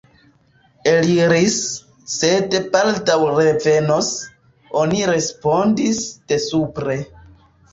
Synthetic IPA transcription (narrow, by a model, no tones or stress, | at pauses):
eliɾisː | e̞de̞baltawɾe̞ve̞nos | o̞niɾe̞spo̞ndisd̥e̞supɾe̞